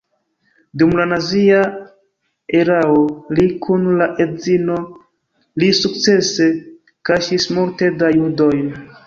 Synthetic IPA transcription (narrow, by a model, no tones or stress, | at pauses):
dumlanazia | e̞ɾaolikʰunlaʔezino̞ | lisuk̚t͡se̞se̞ | kaʃismulte̞dajudo̞jn